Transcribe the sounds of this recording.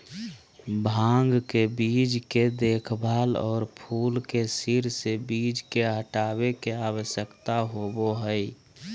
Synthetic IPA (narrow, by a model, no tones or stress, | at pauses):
bʱãːŋɡkebid͡ʒked̪eːkʰbʱaːlɔ̰ːɾpʰuːlkesiɾsebiːd͡ʒkeɦəʈaːbekeaːwəʃjəkt̪aɦoboɦəi